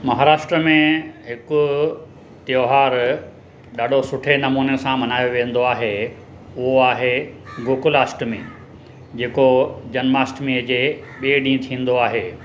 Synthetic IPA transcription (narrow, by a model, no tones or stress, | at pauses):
mɐɦaːɾaːʃʈɾəmẽɦɪkʊ̆ | t̪joːɦaːɾ | ɗaːɖʱosʊʈʰenɐmuːnesãmɐnaːjoʋẽːə̃nd̪oaːɦe | ʊɦoaːɦeɡʊːkʊlaːsʈmẽ | d͡ʑeːkod͡ʑɐnmaːsʈmiəd͡ʑeːɓieɖĩːt̪ʰĩːn̆d̪oaːɦeː